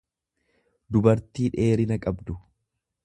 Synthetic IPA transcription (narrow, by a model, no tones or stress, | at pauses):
d̪ʊbɐɾt̪iːᶑe̞ːɾɪnɐkʼɐbd̪ʊ